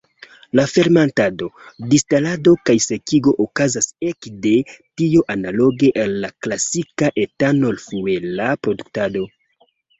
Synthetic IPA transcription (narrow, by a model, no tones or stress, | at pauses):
lafe̞ɾmantado̞distalado̞kajse̞kiɡo̞ʔokazase̞kde̞tioʔanalo̞ɡe̞ʔenːaklasikaʔe̞tano̞lfue̞lapɾo̞duk̚tado̞